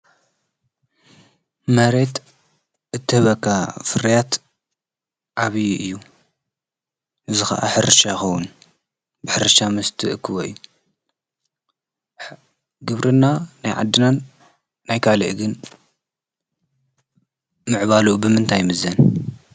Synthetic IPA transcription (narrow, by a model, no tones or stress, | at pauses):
mɐɾe̞t̪ | ʔɨt̪ʰːɨhɨβɐkːafɨɾijat̪ | ʕaβɨjʔɨjːu | ɨzɨxɐ̰ʔa̰ħɨɾɨʃajxowːun | bɨħɨɾɨʃamɨst̪ʰɨʔɨkʰːɨwoḭju | ɡɨβɾʔɨnanajʕa̰d̪ːɨnanː | ajkʰalɨ̰ʔɡɨn | mɨʕβalubɨmɨnt̪ʰajmɨzɐn